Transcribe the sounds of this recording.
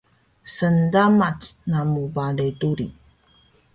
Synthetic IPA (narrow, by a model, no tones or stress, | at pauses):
səndamat͡snamubaləjtuɾḭ